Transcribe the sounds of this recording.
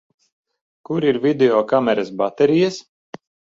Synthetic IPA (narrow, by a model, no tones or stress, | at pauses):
kuɾiɾvid̪eɔkamɛɾasbat̪ɛɾijas